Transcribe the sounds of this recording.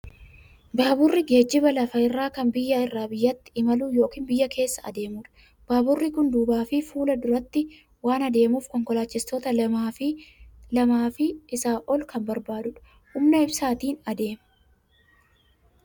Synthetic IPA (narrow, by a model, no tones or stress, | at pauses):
baːbʊrːɪɡe̞ːd͡ʒːɪbɐlɐfɐɪrːaːkɐnbɪjːaɪrːaːbɪjːɐt̪ːɪ̥ɪmɐlujo̞ːkiːnbɪjːɐkʰe̞ːsːɐɐ̰d̪e̞ːmuːᶑɐ̥ | b̥aːbʊrːɪkʊnd̪uːbaːfɪfuːlɐd̪ʊɾɐt̪ːɪ | waːnɐd̪e̞ːmuːfkɔŋkɔlaːt͡ʃːɪst̪ɔt̪ɐ | lɐmaːfɪːsaːʔɔlkɐmbɐɾbaːd̪ʊᶑɐ̥ | hʊmnɐɪbsaːt̪iːnɐd̪e̞ːmɐ̥